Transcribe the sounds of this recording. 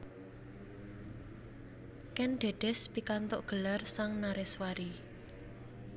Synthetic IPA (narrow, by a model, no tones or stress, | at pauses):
kɛnɖ̪̥e̤ɖ̪̥ɛ̤spikant̪oʔɡ̥ə̤larsaŋnaɾɛswaɾi